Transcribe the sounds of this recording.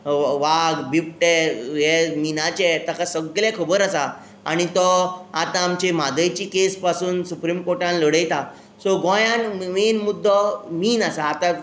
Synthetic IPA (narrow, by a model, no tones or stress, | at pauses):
ʋaɡbip̚ʈejeminat͡ɕet̪akasəɡlɛkʰəbəɾasa | a̰ɽ̃it̪ɔat̪ãːmt͡ɕemad̪əjt͡ɕiːkespasuːnsupɾimkoɾʈãnləɽəjt̪a | sɔɡɔ̃jãnmenmud̪ʱːɔmiːnasaːt̪ã